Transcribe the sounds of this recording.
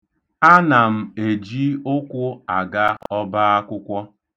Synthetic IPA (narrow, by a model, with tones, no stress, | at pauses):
a˦na˨m̩˨e˨d͡ʒi˦ʊ˦kʷʊ˦a˨ɡa˦ɔ˦ba˦a˦kʷʊ˦kʷɔ˦